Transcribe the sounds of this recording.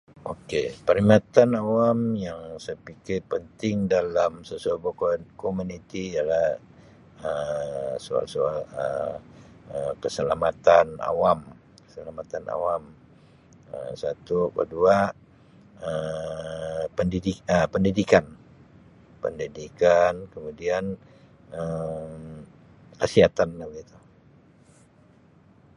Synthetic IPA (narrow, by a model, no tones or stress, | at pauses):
ʔokepəɾimat̪anawamjaŋsəpikɛpənt̪ɪŋdalamsəsuabokkomunit̪ijalah | əsoa̰lsoalə | əkəsəlamat̪ana̰wam | kə̥səlamat̪anʔa̰wam | ə̰msat̪ubə̰dua | ə | pəndidiəpəndidikan | pə̰ndidikankəmudian | əm | kəsiɦat̪anlabit̪u